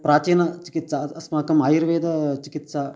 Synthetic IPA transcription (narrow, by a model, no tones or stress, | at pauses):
pɾaːt͡ʃiːnɐt͡ʃi̥kit̪saɐsmakɐmaːjiɾʋeːd̪ɐt͡ʃikit̪sa